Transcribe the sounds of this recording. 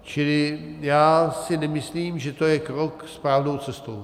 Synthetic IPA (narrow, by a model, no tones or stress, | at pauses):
t͡ʃɪlɪjaːsɪnɛmɪsliːmʒɛt̪o̞jɛkɾokspaːlnowt͡sɛst̪ow